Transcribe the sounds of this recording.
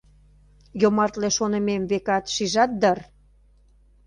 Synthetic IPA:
jomɑrt̪leʃonə̆memvekɑt̪ʃiʒɑt̪̚d̪ər

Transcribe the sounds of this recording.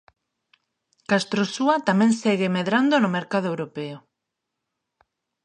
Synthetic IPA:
kast̪ɾosuat̪amɛ̃ŋsɛɣɪmeðɾand̪onomeɾkað̞oewɾopeo

